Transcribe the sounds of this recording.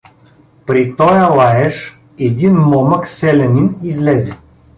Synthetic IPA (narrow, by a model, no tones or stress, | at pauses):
pɾit̪ɔjəlˠaɛʃ | ɛd̪inmɔməksɛlɛninizlɛzɛ